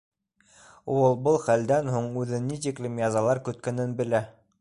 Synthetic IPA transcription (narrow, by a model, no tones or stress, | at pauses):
uɤlˠbɤlˠχæld̪ænhuɴʉðɘnːit̪iklɘmjɑzɑlˠɑɾkɵ̆t̪̚kæ̆nɘnbɘ̆læ